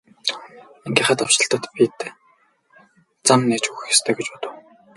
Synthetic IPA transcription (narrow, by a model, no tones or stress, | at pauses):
eŋɡʲiːχæːt̪awt͡ɕ̪ə̆ɬt̪ə̆t̪pit̪ | t͡samneːt͡ɕuxɘxe̥st̪ʰeːɡet͡ɕpʊt̪ə̆w